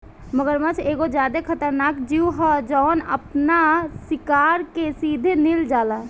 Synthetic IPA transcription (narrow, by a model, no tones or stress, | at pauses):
məɡəɾmə̃t͡ʃʰeɡod͡ʒjad̪ekʰət̪əɾnakd͡ʒiuɦəd͡ʒɔːnə̰pnasɪkaɾkesid̪ʱenild͡ʒaːla